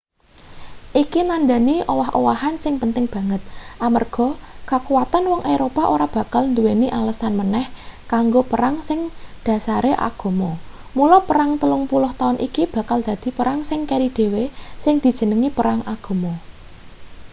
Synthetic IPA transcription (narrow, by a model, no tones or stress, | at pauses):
ʔikinand̪a̤niʔowaɦowaɦansɪŋpənt̪ɪŋb̥a̤ŋət̪̚ʔamərɡ̥ɔ̤kakuwat̪anwɔŋʔeɾopaʔoɾab̥ä̤kalnd̪uweniʔaləsanmənɛhkaŋɡopəɾaŋsɪŋd̪̥ä̤saɾeʔa̰ɡ̥o̤mɔ | mulɔpəɾaŋt̪əlʊŋpulʊht̪aʊnʔikib̥ä̤kald̪̥a̤d̪̥i̤pəɾaŋsɪŋkeɾid̪̥e̤wesɪŋd̪̥i̤̥ʒ̥ə̤nəŋipəɾaŋaɡ̥o̤mɔ